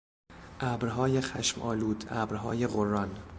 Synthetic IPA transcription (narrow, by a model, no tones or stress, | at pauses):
ʔæbɾɦɒːjexæʃmʔɒ̰ːluːd̪æːbɾɦɒ̰ːjeɣorːɒn